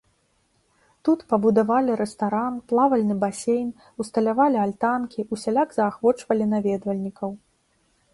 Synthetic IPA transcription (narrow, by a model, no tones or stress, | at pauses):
t̪ut̪pɐbud̪avalʲiɾɛst̪aɾanplˠavɐlʲnɨbasʲejn | ust̪ɐlʲavalʲialʲt̪ankʲiʔusʲalʲaɡzɐːxvɔt͡ʂvɐlʲinavʲɛd̪vɐlʲnʲikɐw